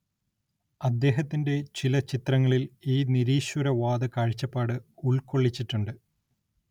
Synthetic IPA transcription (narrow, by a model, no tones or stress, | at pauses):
ɐd̪ːe̞ːɦɐt̪ːinde̞t͡ɕilɐt͡ɕit̪rɐŋːɐɭiliːniɾiːɕwɐɾɐʋaːd̪ɐkaːɻt͡ɕːɐpːaːɽɨuɭko̞ɭːit͡ɕːiʈːuɳɖɨ